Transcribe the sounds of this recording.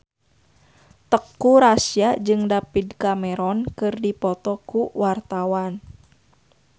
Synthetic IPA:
t̪əkːuɾasiad͡ʒɨŋdapidkamɛɾɔnkɨrdipɔt̪ɔkuwart̪awan

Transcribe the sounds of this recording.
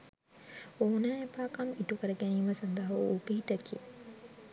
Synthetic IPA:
oːnaːjepaːkamiʈukəɾəɡæniːʋəsand̪əɦɐ̰upiɦiʈəkiə

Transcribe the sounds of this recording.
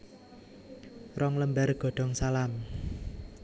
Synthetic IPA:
rɔŋləmbarɡ̥ɔ̤ɖ̥ɔ̤ŋsalam

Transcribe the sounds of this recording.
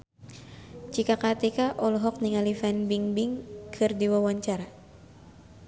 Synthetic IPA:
t͡ʃikakat̪ikaʔɔlɔɦɔk̚niŋalifɛnbiŋbiŋkʰɨrdiwawaɲt͡ʃaɾa

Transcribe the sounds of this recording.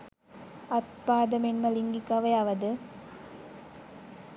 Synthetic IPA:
ɐt̪̚paːd̪ɐmenmɐliŋɡikɐʋɐjɐʋɐd̪ɨ

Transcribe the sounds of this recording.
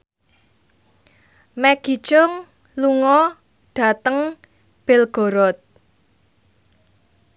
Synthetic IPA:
mɛɡ̥i̤̥t͡ʃʊŋ | luŋɔ | ɖ̥a̤t̪əŋ | b̥ɪlɡ̥o̤ɾɔt̪̚

